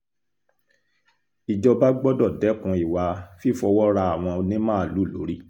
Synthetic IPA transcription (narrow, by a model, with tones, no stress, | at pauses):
i˨d͡ʒɔ˧ba˦ɡ͡bɔ˦dɔ˦˨dɛ˨˦kũ˨˧˦i˨wa˧fi˦fɔ˧wɔ˦ɾa˧a˨w̃ɔ̃˧o˧nĩ˦mãː˦˨lu˨˦˨lo˨˦ɾi˦˨